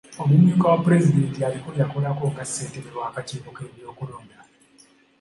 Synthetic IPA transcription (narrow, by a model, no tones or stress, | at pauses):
o̞muɲuːkawapuɾe̞zide̞ntialikuɾjakulakoːkaseːnteɾeɾwaːkaciːβoke̞ːβjo̞ːkuloːnda